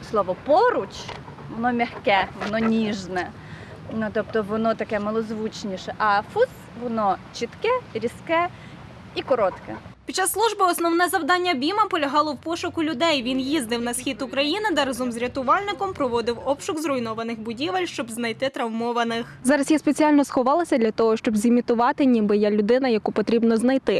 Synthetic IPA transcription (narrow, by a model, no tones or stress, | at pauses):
slˠɔʋɔpɔɾʊt͡ʃ | ʋɔnɔmʲɐxkɛʋɔnɔnʲiʒnɛ | nut̪ɔp̚t̪ɔʋɔnɔt̪ɐkɛmɐlˠɔzʋut͡ʃnʲiʃɛʔɐfus | ʋɔnɔt͡ʃit̪kɛɾʲiskɛ | ikɔɾɔt̪kɛpʲitt͡ʃːɑsːlˠuʒbɪɔsnɔwnɛzɐwd̪ɑnʲːɐbʲimɐpɔlʲɐɦɑlˠɔwpɔʃʊkʊlʲʊd̪ɛjʋʲinjizd̪ɪwnɐsxʲit̪ʊkɾɐjinɪd̪ɐɾɐzɔmzɾʲɐt̪ʊʋɑlʲnɪkɔmpɾɔʋɔd̪ɪwɔpʃʊkzɾɔjnɔʋɐnɪxbʊdʲiʋelʲʃt͡ʃɔbznɐjt̪ɪt̪ɾɐwmɔʋɐnɪxzɑɾɐsjɛspet͡sʲiɑlʲnɔsxɔʋɑlˠɐsʲɐd̪lʲɐt̪ɔɦɔʃt͡ʃɔbzʲɪmʲit̪ʊʋɑt̪ɪnʲibɪjalʲʊd̪ɪnɐjɐkupɔt̪ɾʲibnɔznɐjt̪ɪ